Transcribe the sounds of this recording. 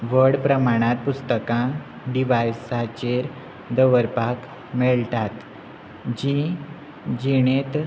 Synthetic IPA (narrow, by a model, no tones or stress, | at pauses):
ʋəɽpɾəmaɽ̃at̪̚pust̪əkã | ɖiʋajsat͡ɕeɾ | d̪əʋəɾpak | mɛɭt̪at̪ | d͡ʑi | d͡ʑiɽ̃et̪